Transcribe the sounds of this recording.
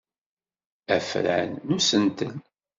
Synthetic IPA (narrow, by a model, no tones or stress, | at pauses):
æ̰fɾ̰nːusənt̪ən